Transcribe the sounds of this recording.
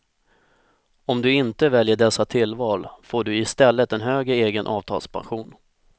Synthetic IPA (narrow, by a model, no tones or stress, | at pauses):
ɔmd̪ɵɪnt̪əvɛljəɖɛsːat̪ʰɪlːvɑːlfoːɖɵɪst̪ɛlːət̪ɛnɦøːɡɾəeːɡənʔɑ̰ːvt̪ʰɑ̰ːlspʰa̰nɧuːn